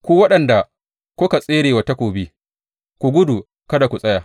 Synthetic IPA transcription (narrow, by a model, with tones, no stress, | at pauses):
kʷuː˦wɐ˦ɗɐ˨nda˨ | kʷʊ˦ka˨sʼeː˦ɾeː˨wa˨ta˦kʷoː˨bi˦ | kʷu˨ɡʷʊ˦du˨ | kɐ˦da˨kʷu˨sʼɐ˦jaː˨